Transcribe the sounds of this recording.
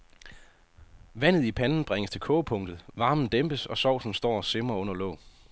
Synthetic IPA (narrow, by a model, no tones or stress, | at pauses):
ʋæn̰ð̩ˠipʰænn̩b̥ʁaŋəst͡sʰe̝lkʰɔ̽ːpʰɔ̽ŋd̥ð̩ˠʋɑ̈ːmn̩d̥emb̥əsɒ̽sɒʊ̰sn̩sd̥ɒ̰ːɒse̝mɐɔ̽n̰ɐlɔ̰̽ʊ